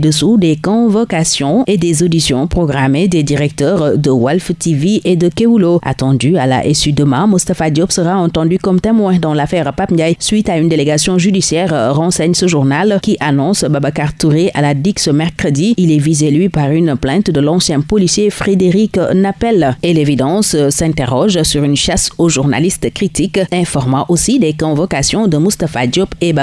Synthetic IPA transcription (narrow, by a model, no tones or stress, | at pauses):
d̪əsud̪ekɔ̃vokasjɔ̃ed̪ezod̪isjɔ̰̃pχɔɡʁamed̪ed̪iʁɛk̚t̪œʁd̪əwalft̪iviʔed̪əkeuloa̰t̪ɑ̃d̪ya̰la̰ʔesyd̪əmamust̪afad̪jɔpsəʁaɑ̃t̪ɑ̃d̪ykɔmt̪emwɛ̃d̪ɑ̃lafɛʁpapjajsɥit̪aynd̪eleɡasjɔ̃ʒyd̪isjɛʁʁɑ̃sɛɲsəʒuʁnalkʲiʔanɔ̃sbabakaʁt̪uʁeʔalad̪iksəmɛʁkχəd̪iilɛvizɛlɥipaʁynplɛ̃t̪d̪əlɑ̃sjɛ̃pɔlisjefʁed̪eʁiknapɛlelevid̪ɑ̃ssɛ̃t̪eʁɔʒsyʁynʃasoʒuʁna̰list̪kχit̪ikɛ̃fɔʁmɑ̃ʔosid̪ɛkɔ̃vɔkasjɔ̃d̪əmust̪afad̪jɔpeba